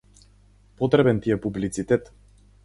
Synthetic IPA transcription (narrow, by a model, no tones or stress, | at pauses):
pɔt̪ɾɛbɛnt̪ijɛpublit̪sit̪ɛt̪